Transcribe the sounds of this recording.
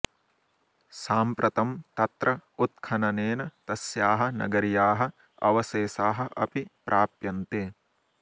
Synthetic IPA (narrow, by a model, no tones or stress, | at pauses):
saːmpɾʔɐt̪ɐmt̪ɐt̪ɾʔɐut̪̚kʰɐnɐneːnɐt̪ɐsjaːɦɐ̆nɐ̰ɡɐɾjaːɦɐ̆ | ɐ̰ʋɐseːsaːɦɐ̆ʔɐ̰pipɾʔaːpjɐnt̪eː